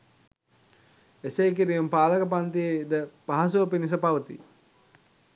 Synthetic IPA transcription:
esejk̬iɾijumpaːləkəp̬ant̪ied̪əpaɦas̬uopinis̬əpaʋət̪ḭ

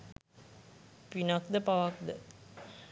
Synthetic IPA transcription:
pinakd̪əpaʋakd̪ə

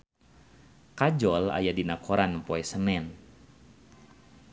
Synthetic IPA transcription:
kad͡ʒɔla̰jadinakʰoɾanpoɛsənɛn

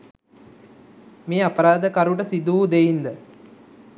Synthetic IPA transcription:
meːapəɾaːd̪əkaɾuʈəsid̪ud̪eind̪ə

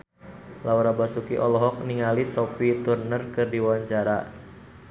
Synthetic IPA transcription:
lauɾabasukiʔɔlɔɦɔk̚niŋalisɔfit̪urnərkɨrdiwaɲt͡ʃaɾa̰

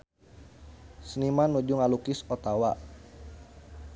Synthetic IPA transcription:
snimanːud͡ʒuŋalukɪsɔt̪awaʔ

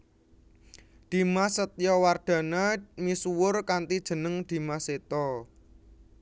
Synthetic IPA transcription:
d̪̥i̤masət̪jɔward̪̥ä̤namisuwʊrkant̪id̥ʒ̥ə̤nəŋd̪̥i̤maset̪ɔ

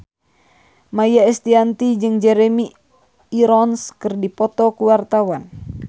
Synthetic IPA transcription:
majaɛst̪iant̪id͡ʒɨŋd͡ʒɛɾɛmiː | ɾɔnskɨrdipɔt̪ɔkuwart̪awan

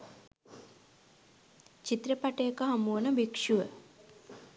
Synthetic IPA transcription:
t͡ʃit̪ɾepaʈejekəɦamuwənəbikʂuʋə

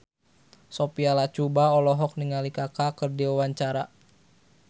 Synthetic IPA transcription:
sopialat͡ʃubaɔlɔɦɔk̚niŋalikakakərdiwawaɲt͡ʃaɾa

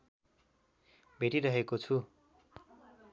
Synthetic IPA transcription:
bʱeʈiɾʌɦekot͡sʰu

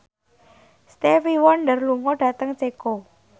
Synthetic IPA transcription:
st̪efiwɔnɖərluŋɔɖ̥ä̤t̪əŋt͡ʃeko

